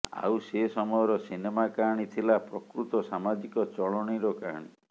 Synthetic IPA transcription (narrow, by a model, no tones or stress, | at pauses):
a̰wsesɔmɔjɔɾɔsinemakaɦɽ̃it̪ʰilapɾɔkɾut̪ɔsamad͡ʒikɔt͡ʃɔɭɔɽ̃iɾɔka̰ɦa̰ɽ̃ḭ